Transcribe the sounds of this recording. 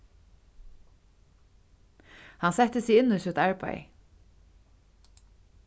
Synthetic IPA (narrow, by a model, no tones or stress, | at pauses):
hansɛt̪əsɪɣɪnːʊsʏt̪æɹpa̰j